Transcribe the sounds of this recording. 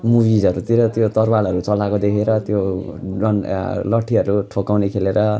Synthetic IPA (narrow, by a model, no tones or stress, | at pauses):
mubid͡zʌɾut̪iɾʌt̪jot̪ʌrbalʌɾut͡sʌlakod̪ekʰeɾʌt̪joʌnlʌʈʰːiɦʌɾuʈʰokawnekʰeleɾʌ